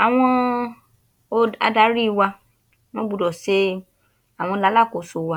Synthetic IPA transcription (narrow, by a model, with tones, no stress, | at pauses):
a˨w̃ɔ̃˧ | o˧a̰˧da˧˦ɾi˦˨˧wa˧ | w̃ɔ̃˦ɡ͡bu˨˧dɔ˨se˦ | a˨w̃ɔ̃˧la˨˦la˦˨ko˨˦so˧˦wa˧˦